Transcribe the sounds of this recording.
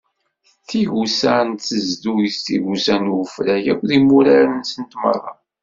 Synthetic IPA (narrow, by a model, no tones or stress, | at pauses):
θiʝusænθəzd̪ujist̪ḭʝusænwəfɾæjækʷðimuɾæɾənsənt̪mə̰rˤːɑ̰